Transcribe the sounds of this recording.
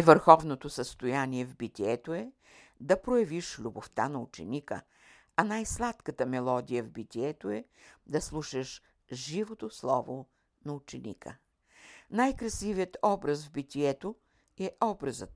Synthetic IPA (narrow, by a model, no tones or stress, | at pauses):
ɛvəɾxɔvnot̪osəst̪ojaniɛvbit̪ʲiɛt̪oɛ | d̪ɐpɾojɐviʃlʲuboft̪anɐut͡ʃɛ̰nikə̰ | ɐnajslˠat̪kət̪əmɛlˠɔd̪ijəvbit̪ʲiɛt̪oɛ | d̪ɐslˠuʃəʃ | ʒivot̪oslˠɔvo | nɐut͡ʃɛnḭkə̰ | najkɾɐsiviət̪ɔbɾəsvbit̪ʲiɛt̪o | ɛʔɔbɾɐzət̪